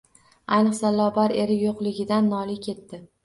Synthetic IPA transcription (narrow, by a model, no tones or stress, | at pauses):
ajnɨqsalːɒbaɾe̞ɾɪjoqlˠɪɡʲɪd̪anːɒlɪkʲʰe̞t̪ːɪ